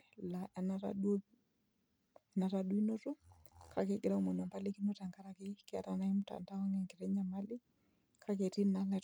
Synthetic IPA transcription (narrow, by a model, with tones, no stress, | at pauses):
la˨ʔɛ˨na˦ɾa̰ɗo˦ | ɛ˨na˨ɾaɗu˦i˦no˦to˦ | kʰa˨ke˨ɡɪɾa˦u˦mo˨n˨a˨mba˦li˦ki˦no˦ta˨ŋɡa˦ɾa˨kɪ˦kɪ˦a̰˨ta˨na˦ɪ˦mʊ˦ta̰˨nda˦ɔ˦ŋɛ˨ŋkɪ˨ɾɛ˦ɲa˨ma˦lɪ˦ | kʰa˦ke˨ti˦na˦la˨